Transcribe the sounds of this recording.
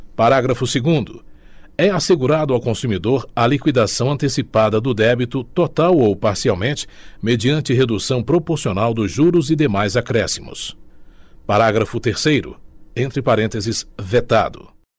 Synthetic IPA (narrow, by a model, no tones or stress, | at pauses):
paɾaɡɾɐfʊseɡũnd̪ʊ̰ɛaseɡuɾad̪ʊawkõsumid̪oɾɐlikwid̪asɐ̃w̃ɐ̃nt̪esipad̪ɐd̪ʊd̪ɛbit̪ʊt̪ot̪awowpaɾsiawmẽnt͡ʃɪ̥med͡ʒiɐ̃nt͡ʃɪɦed̪usɐ̃w̃pɾopoɾsionawd̪ʊzʒuɾʊzid̪emajzakɾɛsimʊ̰s | paɾaɡɾɐfʊt̪eɾsejɾʊ̰ẽnt̪ɾɪpaɾẽnt̪ezɪsvet̪a̰d̪ʊ̰